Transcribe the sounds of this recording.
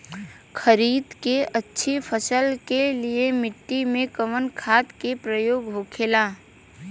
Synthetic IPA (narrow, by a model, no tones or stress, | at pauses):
kʰəɾiːd̪keʔətːʃʰepʰəsəlkeliemɪʈːimẽkəʋənkʰaːt̪kepɾəjoːɡɦoːkʰeːlaː